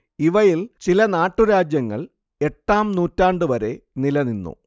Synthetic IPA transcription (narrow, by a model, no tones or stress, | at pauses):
iʋɐjilt͡ɕilɐnaːʈːuɾaːd͡ʑjɐŋːɐ̰ɭ | e̞ʈːaːmnuːtːaːɳɖɨʋɐɾe̞nilɐninːṵ